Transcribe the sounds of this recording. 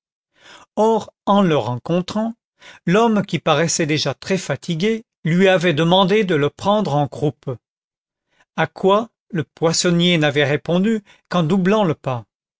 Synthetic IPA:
ɔʁɑ̃ləʁɑ̃kɔ̃t̪χɑ̃ | lɔmkʲipaʁɛsɛd̪eʒat̪χɛfat̪ʰiɡʲe | lɥiavɛd̪əmɑ̃d̪ed̪ələpχɑ̃d̪ʁɑ̃ɡʁup | akwa | ləpwasɔnjenavɛʁepɔ̃d̪y | kɑ̃d̪ublɑ̃ləpa

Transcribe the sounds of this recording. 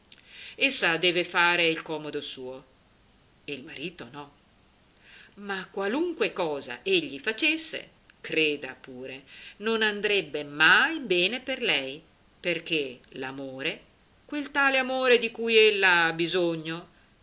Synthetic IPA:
esːad̪ɛːvefaːɾeilkɔːmod̪osuːo | eilmaɾiːt̪onɔ | makwaluŋkwekɔːza̰ʔeʎːifat͡ʃesːḛ | kɾeːd̪apuːɾenonand̪ɾebːemajbɛːneperlɛj | perk̟elamoːɾe | kwelt̪aːleamoːɾed̪ikujelːaabːizoɲːo

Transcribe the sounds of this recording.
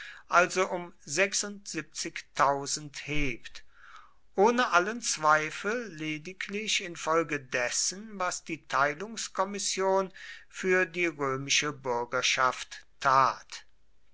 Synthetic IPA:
ʔalzoʔʊmzɛksʊntz̥ip̚t͡sɪktʰaʊzn̩theːpt | ʔoːnəʔalənt͡sv̥aɪfl̩ːeːdɪklɪʃɪnfɔlɡədɛsənvasd̥iːtʰaɪlʊŋskʰɔmɪsjoːnfyːɐdiːʁøːmɪʃəbʏɐɡɐʃaftʰː | aːt

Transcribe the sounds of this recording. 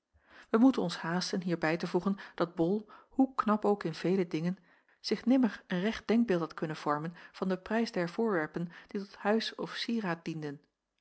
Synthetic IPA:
ʋəmutənɔnshaːstənɦiːɹbɛjtəvuχənd̥ɑd̚bɔlˠhuknɑpowkɪnv̥ejlədɪŋən | z̥ɪχnɪməɹənrɛχd̚d̥ɛŋɡ̚bɪːlˠtɦɑtkɵnənv̥ɔɹmənv̥ɑndəprɛjzdɛɹv̥ʊːɹʋɛɹpənd̥itɔthœɥsɔfsiːraːt̚d̥indən

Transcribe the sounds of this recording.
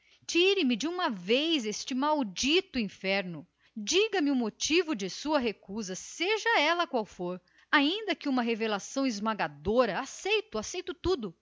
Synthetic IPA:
t͡ʃiɾɪmɪd͡ʒɪũmɐvejzest͡ʃɪmawd͡ʒit̪ʊĩfɛɾnʊ | d͡ʒiɡɐmɪʊmot͡ʃivʊd͡ʒɪsuɐɦekuzɐseʒɐɛlɐkwawfoɾ | aĩnd̪ɐkɪũmɐɦevelasɐ̃w̃ɪzmaɡad̪oɾɐasejt̪ʊasejt̪ʊt̪ud̪ʊ

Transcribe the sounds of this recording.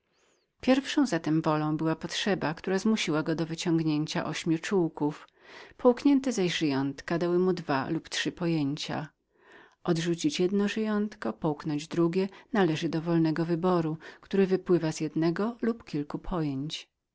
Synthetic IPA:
pʲjɛɾfʂɔ̃w̃zat̪ɛmvɔlɔ̃w̃bɘwapɔtʂɛbakt̪uɾazmuɕiwaɡɔd̪ɔvɘt͡ɕɔŋɡɲeɲt͡ɕa̰ʔɔɕmʲjut͡ʂuwkuf | pʰɔwkɲɛnt̪ɛzaʑʐɘjɔnt̪kad̪awɘmud̪valuptʂɘpɔjeɲt͡ɕa̰ | ʔɔd̪ʐut͡ɕit͡ɕjɛd̪nɔʐɘjɔnt̪kɔpɔwknɔɲd͡ʑd̪ɾuɡʲjɛnalɛʐɘd̪ɔvɔlnɛɡɔvɘbɔɾukt̪uɾɘvɘpwɘvaz̥jɛd̪nɛɡɔlupkʲilkupʰɔjeɲt͡ɕ

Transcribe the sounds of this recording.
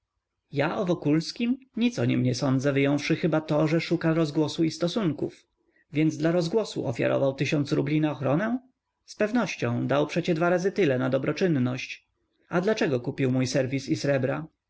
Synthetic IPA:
jaʔɔvɔkulskʲimɲit̪sɔɲɛmɲɛsɔnd̪zɛvɘjɔ̃w̃fʂɘxɘbat̪ɔʐɛʂukaɾɔzɡwɔsuist̪ɔsuŋkṵf | vʲjɛnd̪zd̪laɾɔzɡwɔsṵʔɔ̰fʲja̰ɾɔ̰vawt̪ɘɕɔnt̪sɾublʲinaɔxɾɔnɛ | spɛvnɔɕt͡ɕɔ̃w̃d̪awpʂɛt͡ɕɛd̪vaɾazɘt̪ɘlɛnad̪ɔbɾɔt͡ʂɘnːɔɕt͡ɕ | ad̪lat͡ʂɛɡɔkupʲiwmujsɛɾvʲisisɾɛbɾa

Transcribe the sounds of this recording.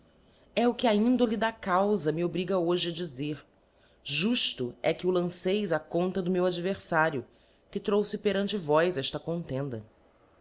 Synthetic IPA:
ɛʊkɪaĩnd̪olid̪akawzɐmɪobɾiɡɐoʒɪɐd͡ʒizeɾ | ʒuʃt̪ʊɛkɪʊlɐ̃sejzɐkõnt̪ɐd̪ʊmewad͡ʒiveɾsaɾjʊ | kɪt̪ɾowsɪpeɾɐ̃nt͡ʃɪvɔjzɛʃt̪ɐkõnt̪ẽnd̪ɐ

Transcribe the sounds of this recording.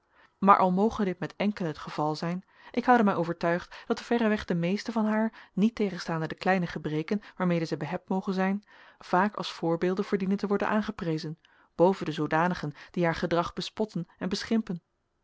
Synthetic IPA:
maːɹʔɑ̰lˠmowχədɪt̚mɛtɛŋkələɦətχəv̥ɑlˠzɛjn | ʔɪkɦɑwdəmɛjʔowvəɹtœɥχtd̥ɑtəv̥ɛrəʋɛχd̥əmejstəvɑnɦaːɹnitejχənstaːndədəklɛjnəχəbrejkənʋaːɹmejdəzɛjbəɦɛp̚tmowχənzɛjnv̥aːkɑ̰lˠsfʊːɹbeːlˠdənvəːɹdinəntəʋɔɹdə̰nʔaːnχəprejzən | b̥owvəndəzowdaːnəχənd̥iɦaːɹχədrɑχb̥əspɔtənɛnbəsχɪmpən

